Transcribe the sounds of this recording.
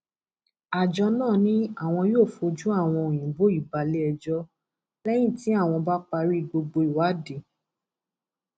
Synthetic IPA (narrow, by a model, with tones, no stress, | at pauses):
a˨d͡ʒɔ˧nãː˦˨nĩ˦a˦˨w̃ɔ̃˧joː˦˨fo˧d͡ʒũ˦a˦˨w̃ɔ̃˧o˨j̃ĩ˨bo˦i˦˨ba˨˧lɛ˦ɛ˧d͡ʒɔ˦ | lɛ˦j̃ĩ˦˨ti˨˦a˦˨w̃ɔ̃˧ba˦k͡pa˧ɾi˦˨ɡ͡bo˧ɡ͡bo˧i˨wa˨˦de˨